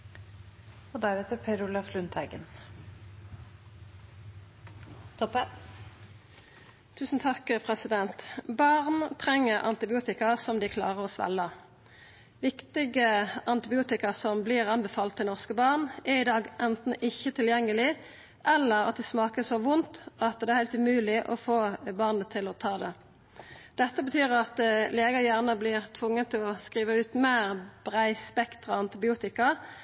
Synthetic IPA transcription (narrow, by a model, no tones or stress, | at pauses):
od̪æɾɛt̪əpʰæɪɾʊlɑflʉnt̪ʰhæɡən | t̪ʰɔpə | t̪ʰʉːsn̩t̪ʰɑkəpʰʁɛsɪd̪ɛnt̪bɑʁnt̪ʰʁɛŋːəʁʔɑ̰nt̪ɪbɪuːt̪ɪkɑsɔmd̪ɪːkʰlɑ̰ːʁəʁoːsʋɛ̰lːə | ʋɪkt̪ɪɡəɑnt̪ɪbɪuːt̪ɪkɑsɔmbliːʁɑnbɛfɑːlt̪ʰːɪlnɔʁskəbɑʁnɛʁɪd̪ɑːɡʔɛnt̪n̩ɪçːət̪ʰɪljɛŋːəlɪ | ʔɛlːəɾɑ̰t̪̚d̪ɪsmɑːkəsɔʋʊnt̪ɑt̪d̪ɛæɾhæɪlt̪ʉmʉːlɪʔɔfoːbɑʁnət̪ʰɪlɔt̪ʰɑːd̪ɛ | d̪̥ɛt̪ːəbət̪ʰyːʁɑt̪leːɡɑjæːʁnəblɪʁt̪ʰʋʊŋːət̪ʰɪlɔskʁiːʋəʉːt̪meːʁb̥ʁæɪspɛkt̪ʁɑɑnt̪ɪbɪuːt̪ɪkɑ